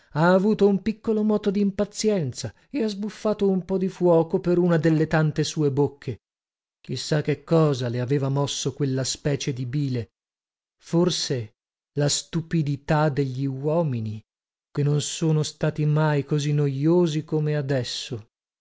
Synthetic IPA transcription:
aːvuːt̪oumpikːolomɔːt̪od̪iːmpat̪sjɛnt̪sa | eazbufːaːt̪oumpɔd̪ifwɔːkopeɾunad̪elːet̪ant̪esuːebokʰːe | k̟isːak̟ːekːɔːzaleaveːvamɔsːokwelːaspɛːt͡ʃed̪ibiːle | forse | last̪upid̪it̪ad̪eʎːiwɔːmini | kenːonsoːnost̪aːt̪imajkozinːojoːzikomead̪ɛsːo

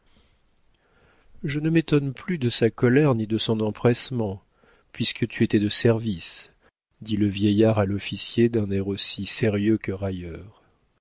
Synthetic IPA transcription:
ʒənəmet̪ɔnplyd̪əsakɔlɛʁnid̪əsɔ̃nɑ̃pχɛsmɑ̃ | pɥiskʰət̪ʰyet̪ɛd̪əsɛʁvis | d̪iləvjɛjaʁalɔfisjed̪ɛ̃nɛʁosiseʁjøkəʁajœːʁ

